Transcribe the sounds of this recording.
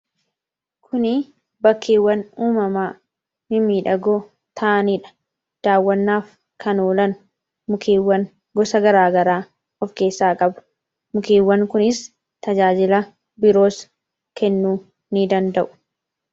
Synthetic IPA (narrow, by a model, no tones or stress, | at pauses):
kʰʊnɪ | bɐkːeːwːɐnuːmɐmaː | mɪmiːᶑɐɡɔ | t̪ʰɐʔɐniᶑɐ̥ | d̪̥aːwːɐnːaːf | kʰɐnoːlɐnʊ | mʊkʰeːwːɐn | ɡɔsɐɡɐɾaːɡɐɾaː | ɔfke̞ːsːaːkʼɐbʊ̥ | mʊkeːwːɐŋkʊnɪs | t̪ɐd͡ʒaːd͡ʒɪlɐ | bɪɾo̞ːs | kɛnːuː | nɪd̪ɐnd̪ɐʔʊ̥